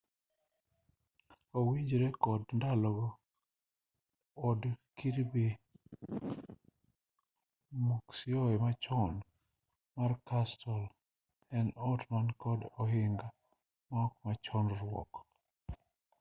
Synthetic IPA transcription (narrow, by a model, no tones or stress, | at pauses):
owiɲd͡ʒɾɛkɔdndalɔɡ | ɔdkiɾbi | muksioɔɛmat͡ʃɔn | markastʰɔl | ɛnɔtmankɔdɔɦɪŋɡa | mɔkmat͡ʃɔnɾwɔ̰k